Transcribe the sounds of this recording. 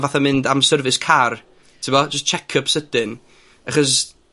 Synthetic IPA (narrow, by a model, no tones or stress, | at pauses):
vaθamɪndamsərvɨskʰar | tʰɪmɔd͡ʒəstt͡ʃʰɛkʰəpsəd̥ɪn | aχɔs